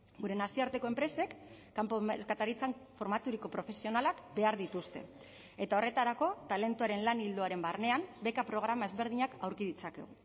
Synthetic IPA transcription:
ɡuɾe̞nasiaɾt̪e̞ko̞e̞mpɾe̞se̞kː | apkat̪aɾit͡sanfo̞ɾmat̪uɾiko̞pɾo̞fe̞sio̞nalakbe̞aɾð̞it̪ust̪e̞̰ | e̞t̪ao̞re̞t̪aɾako̞t̪ale̞nt̪uaɾe̞nlanild̪o̞aɾe̞mbarne̞ambe̞kapɾo̞ɣ̞ɾamae̞zβe̞ɾð̞iɲakawɾkiðit͡sake̞̰ɣu

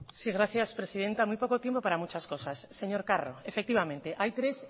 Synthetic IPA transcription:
siɣ̞ɾaθjaspɾesið̞ent̪amujpokot̪jempopaɾamut͡ʃaskosasːeɲoɾkaroefekt̪iβamẽnt̪eʔajt̪ɾes

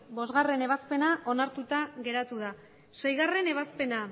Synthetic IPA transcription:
bo̞zɣare̞ne̞β̞aspe̞naʔo̞naɾt̪ut̪aɣe̞ɾat̪uða | sejɣare̞ne̞β̞aspe̞na

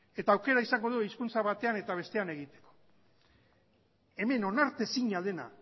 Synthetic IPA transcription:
e̞t̪aːwke̞ɾaisaŋɡo̞ð̞uiskunt͡saβat̪e̞ane̞t̪aβ̞e̞st̪e̞ane̞ɣ̞it̪e̞̥ko̞̥ | e̞me̞no̞naɾt̪e̞siɲale̞na̰

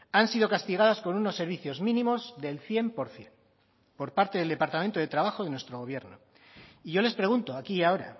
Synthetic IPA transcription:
ansið̞o̞kast̪iɣ̞að̞asko̞nuno̞sːe̞ɾβ̞iθjo̞zmĩnĩmo̞zðe̞lθje̞mpo̞ɾθje̞n | po̞ɾpaɾt̪eðeld̪e̞paɾt̪amẽnt̪oð̞e̞t̪ɾaβaxo̞ðe̞nwest̪ɾoɣ̞o̞β̞je̞ɾno | iʝo̞le̞spɾe̞ɣunt̪o̞akiao̞ɾa̰

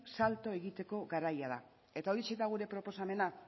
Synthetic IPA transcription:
salt̪o̞e̞ɣit̪e̞ko̞ɣaɾajað̞a | e̞t̪aoɾiset̪aɣuɾe̞pɾo̞po̞same̞na

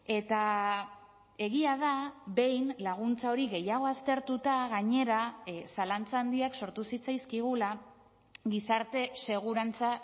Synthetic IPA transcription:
e̞t̪a | e̞ɣ̞iað̞aβe̞jnlaɣ̞unt͡sao̞ɾiɣe̞jaɣ̞o̞ast̪e̞ɾt̪ut̪aɣaɲe̞ɾasalant͡saːnd̪iakso̞ɾt̪usit͡sajskiɣ̞ula | ɣisaɾt̪e̞se̞ɣ̞uɾant͡sa

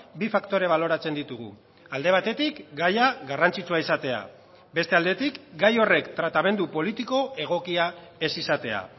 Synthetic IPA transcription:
bifakt̪o̞ɾe̞β̞alo̞ɾat͡se̞nd̪it̪uɣ̞ṵ | ald̪e̞β̞at̪e̞t̪ikɡajaɣarant͡sit͡suaisat̪e̞a̰ | be̞st̪e̞ald̪e̞t̪ikɡajo̞re̞kt̪ɾat̪ame̞nd̪upo̞lit̪iko̞e̞ɣ̞o̞kiae̞sisat̪e̞a̰

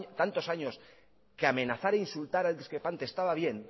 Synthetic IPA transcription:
t̪ant̪o̞saɲo̞s | keamẽ̞naθaɾeinsult̪aɾald̪iskɾepant̪est̪aβaβ̞je̞n

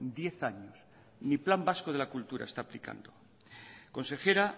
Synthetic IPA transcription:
d̪je̞θaɲos | niplambasko̞ðe̞lakult̪uɾaest̪aːplika̰nd̪o | ko̞nse̞xe̞ɾa

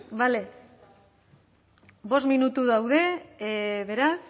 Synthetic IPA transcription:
bale̞ | bo̞st̪minut̪uðawðe̞ | βe̞ɾas

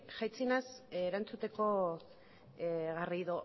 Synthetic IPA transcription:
ʝajt͡sinasɾant͡sut̪e̞ko̞ | ɣariðo

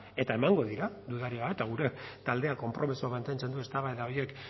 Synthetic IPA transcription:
e̞t̪ae̞maŋɡo̞ð̞iɾaðuðaɾiaet̪aɣ̞uɾe̞t̪ald̪e̞ako̞mpɾʔo̞mesuamant̪e̞nt͡se̞nd̪ue̞st̪aβaeðao̞je̞k

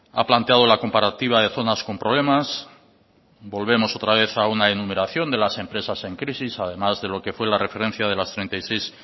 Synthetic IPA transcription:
a̰plant̪eað̞olako̞mpaɾat̪iβaðe̞θo̞nasko̞mpɾo̞β̞le̞mas | bo̞lβe̞mo̞so̞t̪ɾaβ̞e̞θaunaenume̞ɾaθjo̞nd̪e̞lase̞mpɾe̞sase̞ŋkɾisisaðe̞mazðe̞lo̞ke̞fwe̞lare̞fe̞ɾe̞n̟θjað̞e̞last̪ɾe̞nt̪ajse̞js

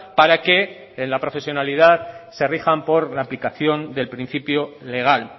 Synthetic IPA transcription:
paɾake̞ː | nlapɾo̞fe̞sjo̞naliðaðse̞rixampo̞ɾlaːplikaθjo̞nd̪e̞lpɾin̟θipjole̞ɣ̞al

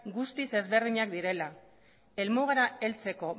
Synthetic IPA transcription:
ɡust̪ise̞zβe̞rðiɲakd̪iɾe̞la | e̞lmuɣaɾae̞lt͡se̞ko̞

